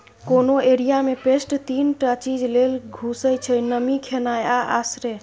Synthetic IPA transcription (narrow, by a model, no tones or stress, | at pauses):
konoeɾijamepesʈt̪inʈat͡ʃid͡ʒlelɡʱusəjt͡ʃʰəjnəmikʰenajaʔa̰sɾe